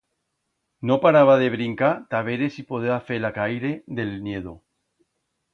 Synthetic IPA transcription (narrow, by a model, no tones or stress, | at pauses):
nopaɾaβaðe̞βɾiŋkat̪aβeɾesipoðeafelakajɾeðelnjeðo